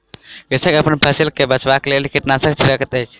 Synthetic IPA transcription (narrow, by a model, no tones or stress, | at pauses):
ɡəsəkəpənpʰəsilkebət͡ʃbaklelkiʈnasəkt͡ʃʰuɾəkət̪əjt͡ʃʰ